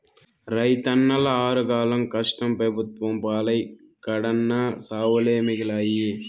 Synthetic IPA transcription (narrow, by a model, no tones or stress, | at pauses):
ɾɐjt̪ɐnːɐlɐaːɾɐkaːlɐmkɐʂʈɐmpɾɐbʱut̪ʋɐmpaːlɐj | kɐɽɐnːɐsaːʋɐleːmiɡilaːje